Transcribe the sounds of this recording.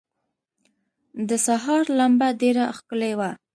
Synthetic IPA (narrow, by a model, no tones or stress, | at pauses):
d̪əsaɦɑɾlambaɖeɾaxkəlewa